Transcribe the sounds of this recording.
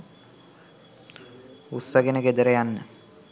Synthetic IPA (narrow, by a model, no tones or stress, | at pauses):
usːəɡenəɡed̪əɾəjanːə